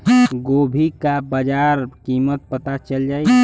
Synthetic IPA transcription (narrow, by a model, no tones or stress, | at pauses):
ɡoːbʱikabəd͡ʒaɾkimət̪̚pət̪at͡ʃəld͡ʒaːi